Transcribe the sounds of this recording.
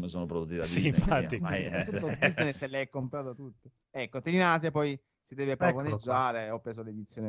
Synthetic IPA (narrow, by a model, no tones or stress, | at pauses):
mesoːnopɾod̪ut̪ːit̪aifaːimajɛuːod̪iseselːɛjɛkːompɾaːt̪at̪ut̪ːe | ɛkːot̪iɾinaːt̪̬japɔj | sid̪ɛːvepɾavoned͡ʒːaːɾeɔpːɾeːzoled̪it̪sːjoːne